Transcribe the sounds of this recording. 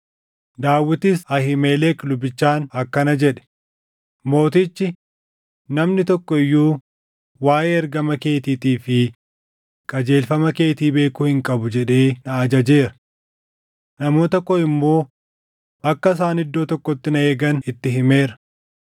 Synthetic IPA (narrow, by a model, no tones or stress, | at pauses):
d̪aːwːɪt̪ɪsɐhɪmeːlɛklʊbɪt͡ʃːaːnɐkːɐnɐd͡ʒɛᶑɛ̥ | mo̞ːt̪ɪt͡ʃːɪ | nɐmnɪt̪ɔkːɔɪjːuː | waːʔeːɐɾɡɐmɐke̞ːt̪iːt̪iːfɪ | kʼɐd͡ʒe̞ːlfɐmɐke̞ːt̪iːbe̞ːkʊhɪŋkʼɐbʊd͡ʒɛᶑeːnɐɐd͡ʒɐd͡ʒe̞ːɾɐ̥ | nɐmo̞ːt̪ɐkːɔɪmːo̞ː | ɐkːɐs̬aːnɪd̪ːo̞ːt̪ɔkːɔt̪ːɪnɐeːɡɐnɪt̪ːɪɦɪme̞ːɾɐ̥